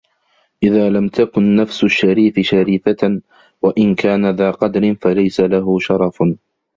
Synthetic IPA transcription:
ʔɪðaːlamt̪akʊnːafsʊʃːaɾiːfɪʃaɾiːfa | waʔɪnkaːnaðaːqɑd̪ɾɪnfalajsalaɦʊʃɑɾˤɑf

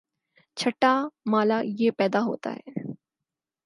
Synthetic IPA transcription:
t͡ʃʰɐʈːamaːlajeːpɛːd̪aɦo̰ːt̪a̰ɦɛ̰ː

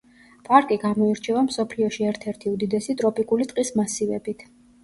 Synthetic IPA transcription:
pʼaɾkʼiɡamɔiɾt͡ʃʰɛvamsɔpʰliɔʃiɛɾt̪ʰɛɾt̪ʰiud̪id̪ɛsit̪ʼɾɔpʼikʼulit̪ʼqʼismasivɛbit̪ʰ

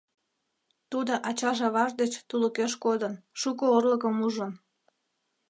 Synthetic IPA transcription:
t̪ud̪oʔɑt͡ɕɑʒɑβɑʒd̪et͡ɕt̪uləkeʃkod̪ənʃukoorləkəmuʒən

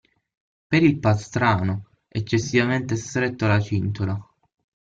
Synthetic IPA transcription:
peɾilpast̪ɾaːno | et͡ʃːesːivament̪est̪ɾet̪ːolat͡ʃint̪ola

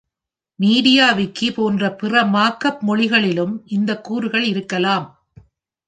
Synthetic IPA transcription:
miːɽɪjaːʋɪkːipoːndrɐpɪrɐmaːkːɐpmɔɭɪɣɐɭɪlɯmʔɪnd̪ɐkːuːɾɯɣɐɭɪɾɯkːɐlaːm

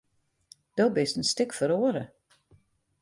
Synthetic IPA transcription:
d̥oːbɪstənstɪkfəɾoːəɾə

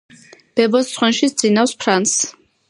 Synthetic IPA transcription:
b̥ɛbɔssχwɛnʃisd̪z̥ʼinawspʰɾans

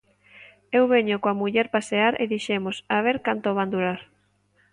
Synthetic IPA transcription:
ewβeɲokoamuʎɛɾpaseaɾḛðiʃemosaβeɾkant̪oβ̞and̪uɾaɾ

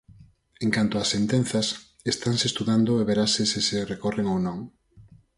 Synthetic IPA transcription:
ẽŋkant̪oasːent̪ẽn̟θɐs | est̪aŋsest̪uðand̪ʊeβeɾasɪsiserekɔreŋownõŋ

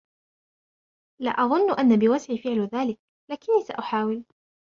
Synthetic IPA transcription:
la̰ːʔɑðˤʊnːʔanːabɪwasʕiːfɪʕlðaːlɪk̚ | laːkɪnːiːsa̰ʔʊħaːwɪl

